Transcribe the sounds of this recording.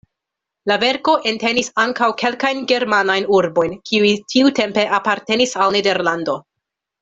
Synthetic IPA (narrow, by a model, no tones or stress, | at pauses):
lave̞ɾko̞ʔe̞nte̞nisaŋkawkʰe̞lkajnɡe̞ɾmanajnuɾbo̞jnkʰiujtʰiute̞mpe̞ʔapaɾte̞nisalnede̞ɾlando̞